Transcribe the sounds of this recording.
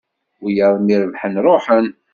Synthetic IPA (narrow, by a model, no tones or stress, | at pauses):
wijəðˤmiɾəvħənɾˤoħən